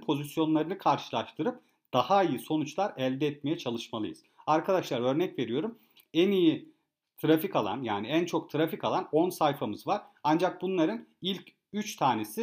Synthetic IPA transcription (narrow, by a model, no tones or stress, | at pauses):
pʰo̞zisjo̞nlˠaɾɯnɯkʰaɾʃɯlˠaʃt̪ʰɯɾɯp̚ | d̪̥ahaijiso̞nut͡ʃlˠaɾɛlʲd̪ɛːt̪̚me̞jɛt͡ʃʰalˠɯʃmalˠɯ̰jɯz̥aɾkʰad̪aʃlˠaɾø̞ɾnɛcve̞ɾijo̞ɾum | ɛniji | t̪ʰɾafikalˠa̰njaːniænt͡ʃʰo̞k̚t̪ʰɾafikalˠano̞nsajfamɯzvaɾand͡ʒak̚bunlˠaɾɯnilʲc | yt͡ʃt̪ʰaːne̞si